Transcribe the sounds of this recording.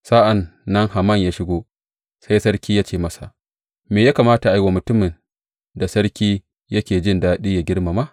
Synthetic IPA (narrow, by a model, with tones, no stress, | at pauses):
saː˦ʔa˨nːɐ˦ŋha˨mɐ˦˨ɲjaː˦ʃɪ˦ɡʷoː˦ | sa˦jsɐ˦ɽkʲiː˦jaː˦t͡ʃeː˨mɐ˦sa˨ʔ | meː˨jaː˦kaː˨maː˦ta˨ʔa˨jwa˨mʊ˨tʊ˦mɪ˨n | da˨sɐ˦ɽkʲiː˦ | jɐ˦kʲeː˨d͡ʒɪ˦ndaː˦ɗiː˦ja˨ɡʲɪ˦ɽma˨maː˦˨